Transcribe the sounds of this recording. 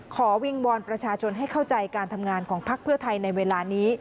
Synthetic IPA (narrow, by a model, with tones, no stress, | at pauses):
kʰɔː˩˦wi˧ŋwɔː˧npɾa˧t͡ɕʰaː˧t͡ɕʰo˧nɦa˥˩jkʰa˥˩wt͡ɕa˧jkaː˧nt̪ʰa˧mŋaː˧nkʰɔː˩˦ŋpʰa˦˥k̚pʰɯ˥˩ɐt̪ʰa˧jna˧jweː˧laː˧niː˦˥